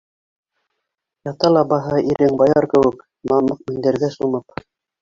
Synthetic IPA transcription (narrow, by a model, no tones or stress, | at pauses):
jɑt̪ɑlˠɑbɑɦɑʔiɾɘŋbɑjɑɾkɘ̆wɘk | mɑmɤq̚mĭŋd̪æ̆ɾɡæsumɤp